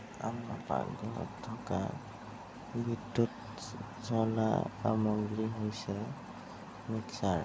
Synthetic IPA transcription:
amapa̰dɛɔ̰tʰːɔka̰ | bʱidut | zɔla̰pa̰mɔŋɡɹiɦojsɛ | miksaɹ

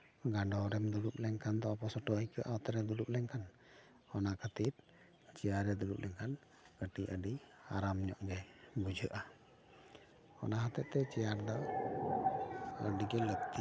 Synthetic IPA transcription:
ɡaɖɔɾɛmd̪udup̚lɛŋkant̪ɔpɔsɔʈɔikəʔat̪ɛɾɛd̪udup̚lɛŋkan | ɔnakat̪it̪̚ | t͡ʃiaɾɛd̪udup̚lɛŋkan | kəʈiʔa̰diaɾamɲɔʔɡɛbud͡ʒəʔa | ɔ̰naɦat̪ɛʔt̪ɛt͡ʃijaɾd̪a | ədiɡɛlət̪i

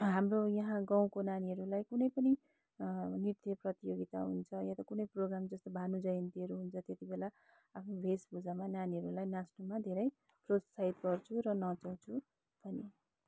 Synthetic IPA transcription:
ɦamrojʌɦãɡãw̃konaniɦʌɾulajkunʌjpʌni | nirt̪jʌprʌt̪ijoɡit̪a̰ɦunt͡sʰʌjãt̪ʌkunʌjproɡramd͡zʌst̪obʱanud͡zʌjʌnt̪iɦʌɾuɦunt͡sʰʌt̪jet̪ibela | apʰnobʱesbud͡zamananiɦʌɾulajnasnumad̪ʱeɾʌj | prot̪saɦit̪̚ɡʌrt͡sʰuɾʌnʌt͡saw̃t͡sʰu | bʱʌni

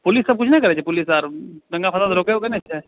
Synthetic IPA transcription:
pʊlɪsːɐb̚kʊt͡ʃʰnɐĩkɐɾeːd͡ʒepʊlɪsaːɾɡɐ̃ŋɡapʰɐt̪asɾoːkeokɐniɐtːʃʰaɦɛ

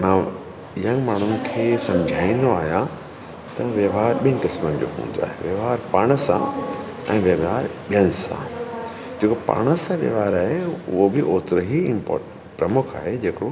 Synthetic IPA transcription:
mãː | jə̃nɡmaːɳ̤̃ʊnɪ̆kʰeːsɐ̃md͡ʑʱaːĩnd̪oaːɦijã | t̪ɐʋjɐʋaːɾɓinɪkɪsmənd͡ʑo̰ːɦṵ̃ːn̆d̪oa̰ːɦḛʋjɐʋaːɾpaːɽ̃əsã̰ | ɛ̰̃ːʋjɐʋaːɾɓijənɪsã̰ | d͡ʑeːkopa̰ːɽ̃əsãʋjɐ̰ʋaːɾaːɦeʊɦobɪʔoːt̪ɾəɦiɪ̃mpɔ̰ː | pɾɐmʊkʰa̰ːɦed͡ʑeːkɽo

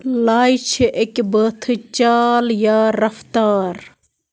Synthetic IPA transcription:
laːjt͡ʃʰeʔekbət̪ʰɨt͡ʃaːljaːɾɐft̪aːɾ

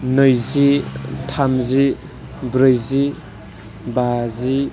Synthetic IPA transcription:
nɯjzitʰamzi | bɾɯjzi | bazi

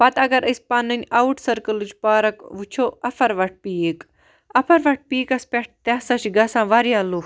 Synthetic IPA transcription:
pɐt̪ɐɡɐɾʔəsʲpɐnɐnʲɐuʈsɐɾkɐlɨt͡ʃʰpaːɾɐkʋut͡ʃʰoːɐfʰɐɾʋɐʈ̚piːek | ɐpʰɐɾʋɐʈ̚ʰpiːkɐspʲeʈ̚ʰt̪ɐsɐt͡ʃɡɐsãːʋɐɾjaːlu

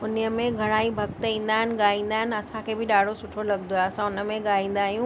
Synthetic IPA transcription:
ʊnjəmẽɡʱɐɽ̃aːibʱɐkt̪ĩːnd̪aːɦɪnɪ̆ɠaːĩːn̆d̪aːɦɪnɪ̆ɐsãkʰebʱɪɗaːɽ̤ʱosʊʈʰolɐɡnd̪oaɐsãʊnə̆mẽɠaːĩːn̆d̪aːɦijũ

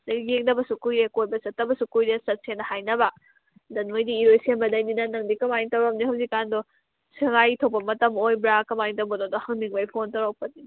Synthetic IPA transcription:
dɐɡeŋnɐbɐsukujɾekojbɐsɐtːɐbɐsukujɾesɐt̚senɐhajnɐbɐ | dɐnmojdiːɾojsenbɐdɐjninɐnɐŋdikɐmajntɐwɾɐm̚nihɐwzikːandɔ | siŋajtʰopɐmɐtɐmojbɾakɐmajntɐwbɐdodɔhɐŋmiŋbɐjpʰontɐwɾawpɐni

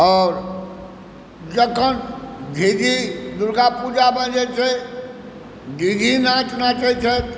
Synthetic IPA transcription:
ɔːɾ | d͡ʒəkʰənɡʱiɡʱid̪uɾɡapud͡ʒabʱə̃d͡ʒet͡ʃʰe | ɡʱiɡʱinãt͡ʃnãt͡ʃet͡ʃʰət̪

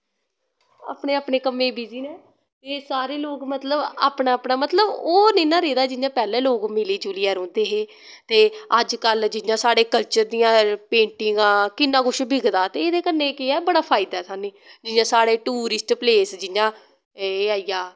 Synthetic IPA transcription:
a̰ːpneːaːpneːkəmːẽːbiːziːnɛː | t̪eːsaːɾeːloːɡmət̪ləba̰ːpnaːpnaːmət̪ləboːneːnãːɾeːd̪aːd͡ʒɪjãːpɛːlẽːloːɡmɪliːd͡ʒuːliːɛːɾõːnd̪eːɦeː | t̪eːəd͡ʒkəld͡ʒɪjãːsaːɽeːkəlt͡ʃəɾd̪ijãːpẽːɳʈɪŋɡãːkɪnːãːɡʊʃbʱɪɡd̪aːt̪eːeːd̪eːkənːeːkɪɛːbəɽaːpʰaːɪd̪aɛːsaːnẽːd͡ʒɪjãːsaːɽeːʈuːɾɪsʈpleːsd͡ʒɪjãː | eːaːijaː

